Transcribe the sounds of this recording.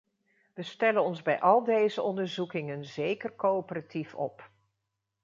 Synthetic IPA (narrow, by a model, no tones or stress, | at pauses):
ʋəstɛlənɔnzbɛjʔɑlˠdejzəɔndəɹzukɪŋənzejkəɹkoopəratifɔ̰p